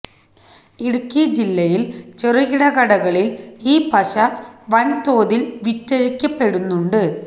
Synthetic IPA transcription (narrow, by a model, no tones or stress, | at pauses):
iɽukːijɐd͡ʑilːɐjilt͡ɕerɐɣiɽɐɣɐɽɐɣɐɭiliːpɐɕɐʋɐnt̪o̞ːðilʋitːeɻikʲːɐpːe̞ɽunːuɳɖɨ